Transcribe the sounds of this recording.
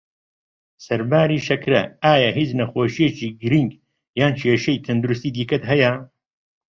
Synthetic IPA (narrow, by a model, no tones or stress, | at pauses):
sɐɾbaːɾiːʃɐkɾɐ̰aːjaɦid͡ʒnɐxoːʃijet͡ʃiːɡɾiŋɡ | jaːnt͡ʃʰeːʃɐjt̪ʰɐnd̪uɾust̪iːd̪iːkɐt̪ɦɐjɐ